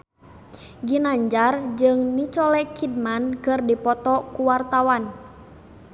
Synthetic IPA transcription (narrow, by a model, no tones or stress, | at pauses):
ɡinaɲd͡ʒard͡ʒɨŋnit͡ʃɔlɛkʰid̚mankɨrdipɔt̪ɔkuwart̪awan